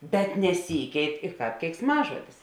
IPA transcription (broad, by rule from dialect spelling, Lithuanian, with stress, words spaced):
bʲɛt nʲɛˈsʲiːkʲɛɪt ɪ ˈkɑːp kʲɛɪksˈmɑːʒuɔdʲɪs